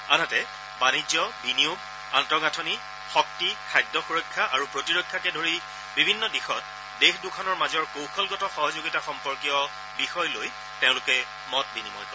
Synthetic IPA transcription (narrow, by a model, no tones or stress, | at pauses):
anatɛ | banid͡ʒɔbiniub | antɔɡatʰɔni | xɔk̚tikʰajdːɔxuɹɔjkʰːaʔaɹupɹotiɹokʰːjakɛdʱoɹi | bibʱinːɔdixɔt | dexdʊkʰanɔɹmazɔɹkowxɔlɡɔtɔxɔɦɔzoɡitaxɔmpɔɹkiɔ | bixɔjloj | tẽʊ̃lʊkɛ | mɔt̚binimɔ̰j